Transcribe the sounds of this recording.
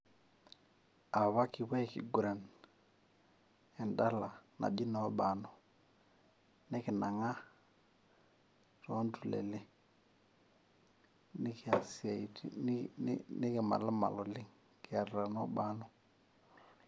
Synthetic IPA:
a˨βa˦ki˨βa˦i˨kḭ˨ɡu˨ɾa˨n | ɛ˨nda˦la˨na̰˨d͡ʒi˦nɔ˨˦ba˨nɔ˨ | nɪ˦kɪ˨na˨ŋa˦ | tɔ˨˦ntu˨lɛ̰˨li˦ | ni˦ki˨a˨si˦a˨i˨t | nɪ˦kɪ˨ma̰˨la˦ma̰˨lɔ˨lɪ˦ŋ | kɪ˨a˨ɾɾa˨nɔ˦ba˦nɔ˦

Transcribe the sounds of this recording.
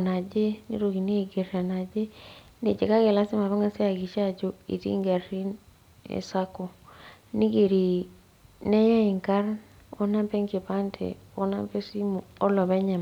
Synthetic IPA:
na˨d͡ʒe˦nḭ˦ɾo˨ɡi˨ni˦e˨ɡe˨ɾa˨na˨d͡ʒe˦ | ne˨d͡ʒe˨ka˦ɡe˨la˦si˦ma˨βa˦ŋa˦se˦a˨ɡi˨t͡ʃa˦˨d͡ʒo˦ḭ˨tḭ˦ŋɡa˨ri˦n | ḛ˨sa˦ko˨ni˦ɡe˨ɾi˨ | ne˦ja˦i˨ŋka˦ɾ | o̰˦na˦mpe˦ŋki˨pa˦ntʰḛ˨o˦na̰˦mpe˦si˦mu˨o˦lɔ˨βe˦ɲa˨m˨

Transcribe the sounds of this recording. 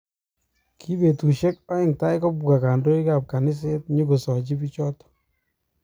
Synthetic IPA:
kʰi˦be˨tu˨ʃɛ˦kɔ˦ɪ˦˨ŋta˦ɪ˦kɔ˦bu˨ɡa˨ka˨ndo˦i˦ka˨p̚ka˨nɪ˦s̬e˦tɲu˦ɡo˨sɔ˨d͡ʒi˦bi˦t͡ʃɔ˦t

